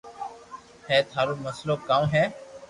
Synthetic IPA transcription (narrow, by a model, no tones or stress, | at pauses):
hɛːt̪ʰaːɾoːməsloːkãːũɦɛː